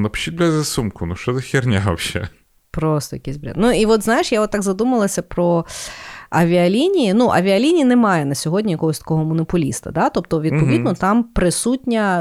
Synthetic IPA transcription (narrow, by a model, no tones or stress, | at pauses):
nɐpt͡ʃːid̪bʲlʲɐzɐsumkʊnuʃt͡ʃɔzɐxʲirnʲawʃɛ̰ | pɾɔst̪ɔjɐkɛsʲbɾʲa̰t̪nuiʋɔt̪znɑjɪʃjaɔt̪ːɑɡzɐd̪umɐlˠɐsʲɐpɾɔ | ɐʋʲiɐlʲinʲijinuʔɐ̰ʋʲiɐlʲinʲijinɛmɑjɛnɐsʲɔɦɔdʲnʲijɐkɔɦɔsʲt̪ɐ̥kɔɦɔmɔnɔpʊlʲḭst̪ɐ̰d̪ɑt̪ɔp̚t̪ɔʋʲid̪̚pɔid̪nɔt̪ɑmpɾɪsutʲnʲɐ